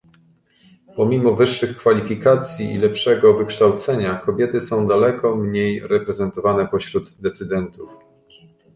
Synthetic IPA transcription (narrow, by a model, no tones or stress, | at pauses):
pɔmʲimɔvɘʂːɘxkfalʲifʲikat̪sʲjiḭlɛpʂɛɡɔvɘkʂt̪awt̪sɛɲakɔbʲjɛt̪ɘsɔ̃w̃d̪alɛkɔmɲejɾɛpɾɛzɛnt̪ɔvanɛpɔɕɾud̪d̪ɛt̪sɘd̪ɛnt̪uf